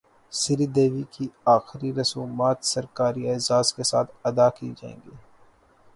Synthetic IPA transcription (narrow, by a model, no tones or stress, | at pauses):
sɪɾid̪eːʋikiaːxɪɾiɾɐsuːmaːt̪sɐɾkaːɾiɐsaːskesa̰ːt̪ʰɐd̪akid͡ʒaːḛ̃ːŋɡiː